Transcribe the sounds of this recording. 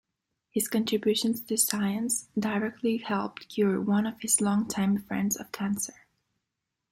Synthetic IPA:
hɨz̥kɨ̃ntʰɹ̥ɨbjʉʃɨ̃nz̥tʰɨsaɪɨ̃nsdəɹɛk̚tʰˡlihɛlˠp̚tkʰjʊɹwʌ̃nʌv̥ɨz̥lɔ̃ŋtʰãɪ̃ɱfɹɛ̰̃ndzʌ̰v̥kʰæ̃nsə˞

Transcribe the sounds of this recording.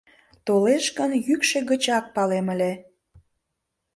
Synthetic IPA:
t̪oleʃkənjykʃe̽ɣət͡ɕɑk̚pɑleməlʲe

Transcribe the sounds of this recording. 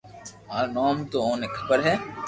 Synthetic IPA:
aːnɔːmt̪oõːnekʰɐ̥bəɾɦɛː

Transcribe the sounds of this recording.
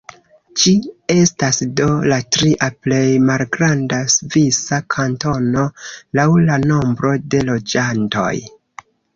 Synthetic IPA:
t͡ʃie̞stasdo̞latɾiʔaple̞jmalɡɾandasvisakʰanto̞no̞lawlano̞mbɾo̞de̞lo̞d͡ʒanto̞̰j

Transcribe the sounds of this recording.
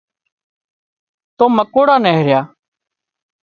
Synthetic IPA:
t̪oːməkoːɽaːneːɦeɾjaː

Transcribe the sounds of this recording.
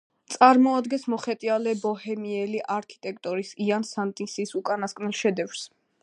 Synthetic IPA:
t̪sʼaɾmɔad̪ɡɛnsmɔχɛt̪ʼialɛbɔhɛmiɛliʔaɾkʰi̥t̪ʼɛk̚ʰʼt̪ʼɔɾisiansant̪ʼinsisukʼanaskʼnɛlˠʃɛd̪ɛfɾs

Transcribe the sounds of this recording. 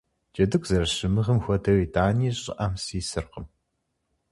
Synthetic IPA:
d͡ʒɐdɨkʷʰʼzɐɾɐɕɨmɨʁɐmxʷɔdʰɐwiːtʰʼaːniːɕʼɪ̰ʔɐmsiːsɨrqəm

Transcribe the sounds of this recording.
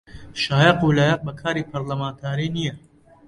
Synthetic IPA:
ʃaːjɐqulaːjɐq̚bɐkʰaːɾiːpʰɐɾlɐmaːnt̪ʰaːɾiːnijɐ

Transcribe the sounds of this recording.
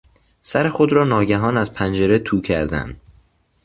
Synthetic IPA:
sæɾe̞xo̞d̪ɾɒːnɒːɟæɦɒːnæzpʰænd͡ʒe̞ɾe̞t̪ʰuːcʰæɾd̪æ̰nd̪̥

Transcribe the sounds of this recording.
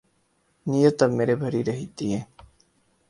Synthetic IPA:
nijot̪ameɾebʱɐɾiɾɐɦit̪ie

